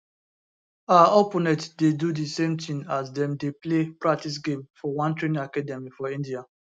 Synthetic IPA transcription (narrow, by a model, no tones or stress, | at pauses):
aopɔnɛtdedudisẽmtʰĩŋasdɛ̃mdeplepɹak̚tis̬ɡẽmfɔwãntɹenĩŋakadɛmifɔĩndia